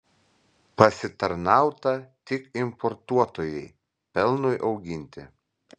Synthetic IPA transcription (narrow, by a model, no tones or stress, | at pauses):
pɐsʲɪt̪ɐɾnɑˑʊt̪ɐt̪ʲɪkɪmpɔɾt̪uɔt̪oːjɛɪ | pʲɛlˠnʊjʔɒʊɡʲɪnʲt̪ʲɪ̰